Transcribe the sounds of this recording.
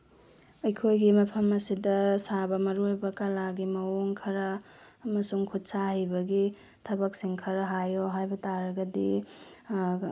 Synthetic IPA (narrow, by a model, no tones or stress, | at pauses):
ɐjkʰojɡimɐpʰɐmɐsidɐsabɐmɐɾojbɐkɐlaɡimɐwoŋkʰɐɾɐː | mɐsuŋkʰut̚sahɐjbɐɡi | tʰɐbɐksiŋkʰɐɾɐɦajoɦajbɐtaɾɐɡɐdi